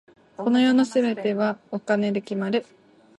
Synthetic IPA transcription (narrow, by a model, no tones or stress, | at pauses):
ko̞no̞jo̞ːnosɨbe̞t̪e̞βaokane̞d̪ɯkʲimaɾɯ̟